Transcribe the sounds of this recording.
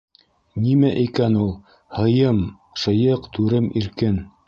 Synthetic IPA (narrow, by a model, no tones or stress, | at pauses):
nimæʔikænulˠ | hɤ̆jɤm | ʃɤ̆jɤqt̪ʉɾɘmiɾkɘn